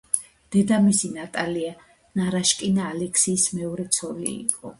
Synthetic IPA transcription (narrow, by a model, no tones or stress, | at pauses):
d̪̥ɛd̪amisinat̪ʼalia | naɾaʃkʼinaːlɛkʰsiːsmɛɔɾɛt̪sʰɔlḭːqʼɔ̰